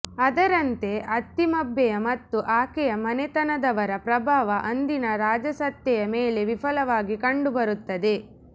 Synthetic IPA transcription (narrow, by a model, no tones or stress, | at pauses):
ɐd̪ɐɾɐnt̪e̞ʔɐt̪ːimɐbːɛjɐmɐt̪ːuʔaːkɛjɐmɐnɛt̪ɐnɐd̪ɐʋɐɾɐpɾɐbʱaːʋɐʔɐnd̪inɐɾaːd͡ʒɐsɐt̪ːjɛjɐmeːle̞ʋifʰɐlɐʋaːɡikɐɳɖubɐɾut̪ːɐd̪e̞